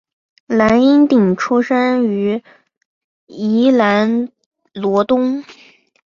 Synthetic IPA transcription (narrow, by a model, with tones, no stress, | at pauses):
la˧˥ni˥nt̪i˨˩ŋʈ͡ʂʰu˥ʂə˥ny˧˥ | i˧˥la˧˥n | lwɔ˧˥t̪ʊ˥ŋ